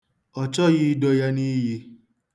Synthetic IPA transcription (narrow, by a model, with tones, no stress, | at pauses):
ɔ˨t͡ʃɔ˦ji˦dɔ˧ja˧ni˦ji˧